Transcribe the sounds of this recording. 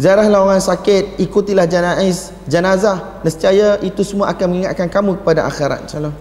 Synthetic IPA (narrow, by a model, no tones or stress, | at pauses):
ziaɾahlawaŋansakɪt̪̚ikut̪ilahd͡ʒanais | d͡ʒənazah | nəst̪iajaʔit̪usəmũaʔakanməŋiŋat̪̚kankamũkə̥padaʔa̰xiɾa̰t̪̚t͡ʃalo